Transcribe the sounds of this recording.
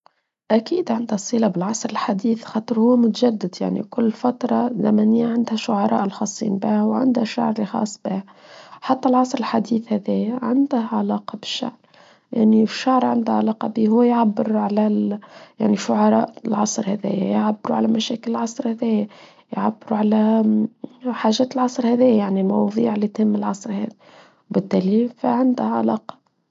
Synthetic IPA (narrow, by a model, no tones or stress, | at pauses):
ʔækiːd̪ʕand̪hæsˤːiːlɑbɪlʕɑsˤɾɪlħad̪iːθxɑːt̪ˤɨɾhʊːmʊt̪ʒæd̪ːɪd̪ja̰ʕnḭkʊlːfat̪ɾˤɑzæmænɪjːaʕand̪hæʃʊʕɑɾˤɑ̰ːʔlxɑsˤːḭːnbɪhwʕa̰nd̪hæʃːa̰ʕɾˤlixɑ̰ːsˤːbɪːh | ħat̪ːælʕɑsˤɾɪlħad̪iːθhæðɛːjæʕand̪ʕalɑːqɑbɪ̥ʃːa̰ʕɾ | ja̰ʕniʃːaʕɾˤʕand̪æʕalɑːqɑbiːhʊwːjʕabːɪɾʕalæjaʕniʃʊʕɑɾˤɑ̰ːʔlʕɑsˤɾhæðæ̰ːjæ̰jʕabːɪɾuʕalæmæʃæːkɪlɪlʕɑsˤɾˤhæðæːjæ | jʕabːɪɾuʕalæ | ħaːʒæːt̪əlʕɑsˤɾhæðæːjjaʕnilmɑwðˤiːʕlːit̪hɪmːɪlʕɑsˤɾhæ̰ːði | wbɪt̪ːæːlifiʕɪnd̪ʊʕa̰lɑːqɑ̥